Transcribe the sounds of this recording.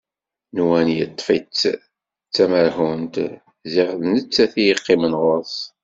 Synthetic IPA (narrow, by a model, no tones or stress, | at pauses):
nwænjət̪ˤːfit͡sː | t͡sːæməɾhunt̪ | zɪʁðnət͡sːæθijəqːɪmənʁoɾsˤ